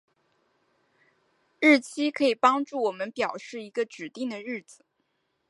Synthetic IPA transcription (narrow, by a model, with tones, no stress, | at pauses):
ɻ̩˥˩t͡ɕʰi˥kʰɤ˧˥i˨˩pɑ˥ŋʈ͡ʂu˥˩wɔ˨˩mə˦npjɑ˨˩ʊʂɻ̩˥˩i˧˥ɡə˧ʈ͡ʂɻ̩˨˩t̪i˥˩ŋd̪ə˩ɻɻ̩˥˩d͡zɹ̩˨˩